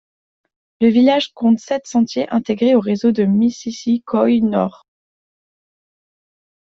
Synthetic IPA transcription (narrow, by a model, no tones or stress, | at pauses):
ləvilaʒkɔ̃t̪sɛt̪sɑ̃t̪jeʔɛ̃t̪eɡʁeoʁezod̪əmisisikʰɔjnɔ̰ʁ